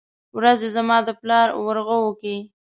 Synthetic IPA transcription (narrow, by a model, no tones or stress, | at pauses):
wɾazezamɑd̪əplɑɾwəɾɣəwəki